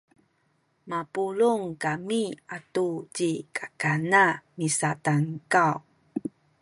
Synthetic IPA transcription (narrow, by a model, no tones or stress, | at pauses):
mapuɭuŋkamiatut͡ɕikakanamisataŋkaw